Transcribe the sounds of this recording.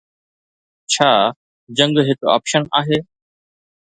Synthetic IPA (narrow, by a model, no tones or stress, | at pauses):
t͡ɕʰaː | d͡ʑə̃ŋɡɦet̪oɔ̰ːpʃənaːɦeː